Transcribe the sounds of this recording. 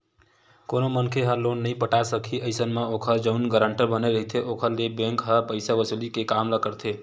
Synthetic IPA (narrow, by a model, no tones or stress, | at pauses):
konomənkʰeɦəlonːəjpəʈasəkʰiəɪjsənmeokʰəɾd͡ʒəʊnɡəɾəɳʈəɾbəneɾəɦit̪ʰeʔokʰəɾlebẽŋkɦəpəɪsabəsulikekamləkəɾt̪ʰe